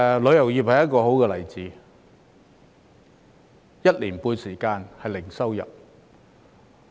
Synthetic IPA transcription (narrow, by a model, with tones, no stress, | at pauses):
lɵ˨˧ɥjɐ˨˩wjiː˨˩p̚hɐ˨jɐ˥t̚kɔː˧ho˨˥wkɛː˧lɐ˨˩jt͡siː˨˧ | jɐ˥t̚liː˨˩npuː˧nsiː˨˩kaː˧nhɐ˨jlɪ˨˩ŋsɐ˥wjɐ̰˨p̚